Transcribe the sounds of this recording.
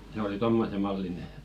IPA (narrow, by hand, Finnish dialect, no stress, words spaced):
se oli tomːose mɑlːine